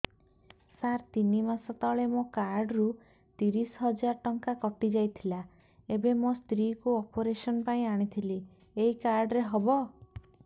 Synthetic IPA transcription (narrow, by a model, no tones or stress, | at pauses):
saɾt̪inimasɔt̪ɔɭemokaɾɖɾu | t̪iɾisɦɔd͡ʒaɾʈɔŋkakɔʈid͡ʒajt̪ʰila | ebemost̪ɾikuɔpoɾesɔnpaĩaɽ̃it̪ʰili | eɦikaɾɖɾeɦɔbɔ